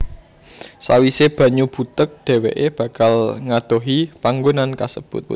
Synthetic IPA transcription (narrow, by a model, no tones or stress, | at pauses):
sa̰wiseb̥ä̤ɲub̥ṳt̪ək̚ɖ̪̥e̤wḛʔeb̥a̤kalŋat̪oɦipaŋɡonankasəb̥ʊt̪̚